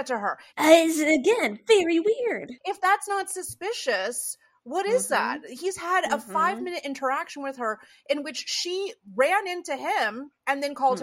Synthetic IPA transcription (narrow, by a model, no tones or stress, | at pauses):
tɨə˞ɪzɨɡɛ̃nvɛɹiwɪɹd̥ɨfðætsnətsɨspɪʃɨs | wʌɾɪzðæ̰t̚hiz̥əɾəfaɪvmɪ̃nɨɾʔɪ̃ntʰə˞ækʃɨ̃n̩wɨð̥ə˞ | ʔɨ̃nwɨt͡ʃʃiɹæ̃nɪ̃ntʉɪ̃mɨ̃nðɨ̃nkʰɔlˠd̚